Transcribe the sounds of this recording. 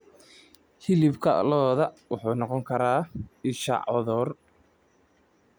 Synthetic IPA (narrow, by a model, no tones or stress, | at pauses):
hɪlɪbkʰɐlɔːðɐwɑħuːnɔqɔŋkʰɐɾaːɪʃa̰ʕɔ̰ðɔːr